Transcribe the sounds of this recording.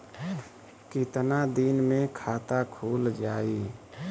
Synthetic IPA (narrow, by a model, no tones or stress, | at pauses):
kit̪nad̪inmẽkʰaːt̪akʰuːld͡ʒaːi